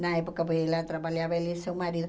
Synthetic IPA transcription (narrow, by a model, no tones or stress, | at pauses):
nɐepokɐpoelɐt̪ɾɐβaljaβɐelisewmaɾiðʊ